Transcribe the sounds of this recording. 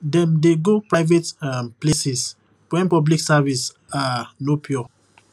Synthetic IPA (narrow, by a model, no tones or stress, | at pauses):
dɛ̃mdeɡopɹajvetamplesɛs | pɛ̃npɔbliksavis | anopʰjɔ